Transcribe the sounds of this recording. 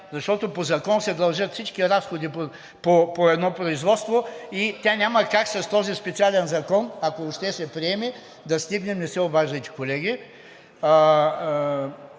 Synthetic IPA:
zɐʃt̪ɔt̪opozɐkɔnsɛd̪ɐlˠʒət̪fsit͡ʃkʲiɾasxod̪ipo | popoɛd̪nɔpɾoizvɔt̪st̪voit̪ʲanʲamɐkaksɐst̪ɔzispɛt̪sialɛnzɐkɔnɐkoːʃt̪ɛsɛpɾiɛmɛ | d̪ɐst̪iɡnɛmnɛsɛobaʒɐjt̪ɛ̥kolɛɡ̟ʲi

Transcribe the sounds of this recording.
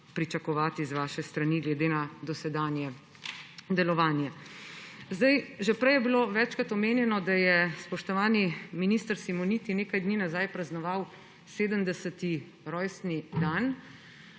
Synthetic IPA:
pɾit͡ʃakɔʋaːt̪izʋaːʃɛst̪ɾaniɡlɛd̪eːnad̪ɔsɛd̪aːnjɛ | d̪ɛlɔʋaːnjɛ | zd̪ajʒɛpɾɛjɛbiloʋɛt͡ʃkɾat̪ɔmeːnjɛnɔd̪ajɛspɔʃt̪ɔʋaːniminist̪əɾsimɔniːt̪ineːkajd̪niːnazaːjpɾaznɔʋaw | seːd̪əmd̪ɛsət̪i | ɾɔːjst̪nid̪aːn

